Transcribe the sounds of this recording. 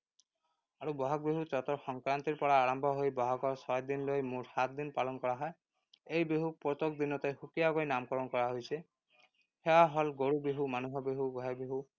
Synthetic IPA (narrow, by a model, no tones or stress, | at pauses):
aɹubɔɦak̚beɦut͡ʃɔt̪ɔɹxɔŋkɹant̪iɹpɔɹaːɹɔmbʱɔɦojbɔɦakɔɹsɔjd̪inlojmuɹhat̪̚ʰd̪inpalɔnkɔɹaɦɔj | ejbeɦuk̚pɔt̪okd̪inɔt̪exukijakojnamkɔɹɔnkɔɹaɦojsʰe | hɛwaɦɔlɡoɹubeɦumanuɦɔbeɦubɔɦakbeɦu